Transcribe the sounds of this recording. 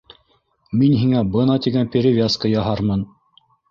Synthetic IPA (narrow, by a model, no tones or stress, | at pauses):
minɦiŋæbɤnɑt̪iɡænpʲɪɾʲɪvʲaskɤjɑɦɑɾmɤn